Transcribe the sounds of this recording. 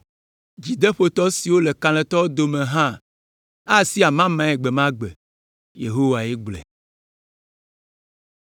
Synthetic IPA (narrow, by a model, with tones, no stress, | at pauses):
d͡ʑi˨d̪ɛ˦ɸo˦t̪ɔ˦si˨wo˦lɛ˨kã˨lɛ̃˨t̪ɔ˦wo˦d̪o˨mẽ˨ɦã˦ | a˦˨si˦a˨mã˦mã˦ɛ˨ɡ͡bɛ˨mã˦ɡ͡bɛ̰˨ | jḛ˨ɦo˦wa˨e˦ɡ͡blɛ̰˨